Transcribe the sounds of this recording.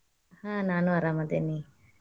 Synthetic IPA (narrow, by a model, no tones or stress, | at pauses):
hãːnaːnuɐɾaːmad̪enːi